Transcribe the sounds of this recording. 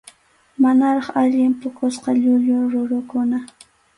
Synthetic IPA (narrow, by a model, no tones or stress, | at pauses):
manaɾɑχaʎɪmpʊkʊsqɑʎʊʎʊɾʊɾʊkʊna